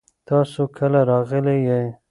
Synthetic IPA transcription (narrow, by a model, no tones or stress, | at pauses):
t̪ɑsokʰəlaɾɑɣəlejej